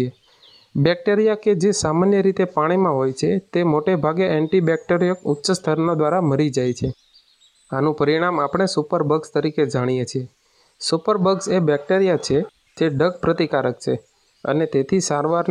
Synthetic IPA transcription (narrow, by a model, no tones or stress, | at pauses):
e | bɛk̚ʈeɾijaked͡ʒesamanjəɾit̪epaɽ̃imãɦojt͡ʃʰet̪emoʈebʱaɡeʔɛ̃ɳʈibɛk̚ʈeɾijəkʊtːʃəst̪ʰəɾnod̪ʋaɾaməɾid͡ʒajt͡ʃʰe | anũpəɾiɽ̃amapɳ̃esupəɾbəɡst̪əɾiked͡ʒaɽ̃ijet͡ʃʰie | supəɾbəɡsebɛk̚ʈeɾijat͡ʃʰe | d͡ʒeɖəɡ̚pɾət̪ikaɾək̚t͡ʃʰe | ə̰net̪et̪ʰisaɾʋaɾn